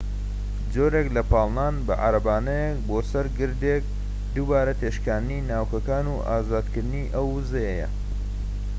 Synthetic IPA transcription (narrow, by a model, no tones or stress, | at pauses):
d͡zoːɾeklɐpʰɑːlˠnaːnbɐ̰ʔa̰ɾɐbaːnɐjek̚boːsɐɾɡɨɾd̪ek̚ | d̪ubaːɾɐt̪ʰeːʃkaːnɨninaːwkɐkaːnuʔaːzaːd̪kɨɾd̪ɨniʔɐwːɨzɐjejɐ̰